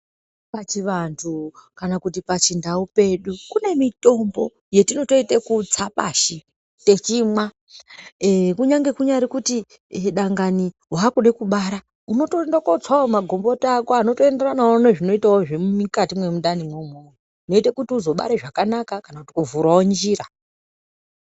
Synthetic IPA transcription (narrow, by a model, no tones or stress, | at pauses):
pat͡ʃiʋantʰukanakutipat͡ʃindaupe̞ɗukune̞mito̞mbo̞ | je̞tino̞to̞itekut͡sapa̰ʃi | te̞t͡ʃimwa | kuɲaŋɡe̞kuɲaɾikuti | ɗaŋɡani | ɦakuɗekuɓaɾa | uno̞tondakod͡zwaomaɡʱo̞mbo̞taːkoano̞to̞e̞nde̞ranaoneʐino̞itaoʐemmikatimwe̞muɗanimwomo | uno̞itekutiuzo̞ɓa̰ɾeʐakanakakanakuti̥kuvuɾwaond͡ʒiːɾa